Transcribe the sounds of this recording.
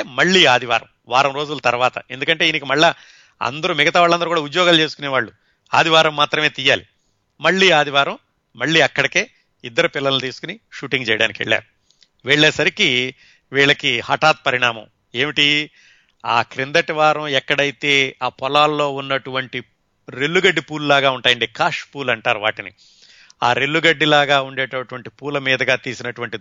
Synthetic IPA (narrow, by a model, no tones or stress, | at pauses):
mɐɭːiːaːd̪ʱiʋa̰ːɾɐ̰m | ʋaːɾɐmɾo̞ːd͡ʒulɐt̪ɐɾʋaːt̪ɐ̰e̞nd̪ukɐɳʈe̞ːinikimɐɭːa | ɐ̰nd̪ɐɾumɪɡɐt̪aːʋaːɭːɐnd̪ɐɾukuːɽaːud̪jɔːɡaːlt͡ʃe̞ːsu̥kuneːʋaːɭːu | a̰ːd̪iʋaːɾɐmːaːt̪ɾɐme̞ːt̪ijaːli | mɐɭːiːaːd̪ʱiʋaːɾɐm | mɐɭːiːɐkːɐɽɐke̞ː | id̪ːɐɾupilːɐlnut̪iːsu̥kuniʃuːʈiŋɡt͡ʃɛːjɐɽaːnikiʋḛɭːa̰ːɾu | ʋeɭːɛːsɐɾiki | ʋiːɭɐkihɐʈaːt̪̚pɐɾiɳaːmɐ̰̃m | e̞ːmiʈi | aːkɾind̪ɐʈiʋaːɾɐ̃mɛkːɐɽɐjit̪e̞ːaːpɔlaːlːo̞ːunːɐʈuʋɐɳʈi | ɾelːuɡɐɖːipuːlulaːɡaːuɳʈaːjɐɳɖikaːʂpuːlɐɳʈaːɾuʋa̰ːʈini | aːɾelːuɡɐɖːilaːɡaːuɳɖeːʈɐʈuʋɐɳʈipuːlɐmiːd̪ɐɡaːt̪iːsinɐʈuʋɐɳʈi